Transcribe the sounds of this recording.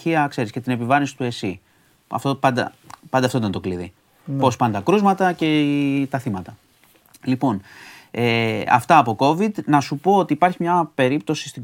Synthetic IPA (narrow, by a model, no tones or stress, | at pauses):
çiɐkse̞ɾisce̞t̪ine̞pivɐɾinsi̥t̪ue̞si | ɐ̰ft̪opɐnd̪ɐ̰ | pɐnd̪eɐft̪ot̪ɐnt̪o̞kliði | po̞spɐnt̪ɐkɾuzmɐt̪ɐce̞t̪ɐθimɐt̪ɐ | lipo̞neɐ̰ft̪ɐːpo̞ko̞vid̪nɐsupo̞ot̪iːpɐɾçimɲɐpe̞ɾip̚t̪o̞si̥st̪iɡ